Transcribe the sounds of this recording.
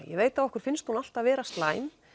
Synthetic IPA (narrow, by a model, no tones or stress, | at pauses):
jɛ̰veːjt̪aɔhkʏɾ̥fɪnst̪hunal̥t̪aðvɛːɾast̪laːjm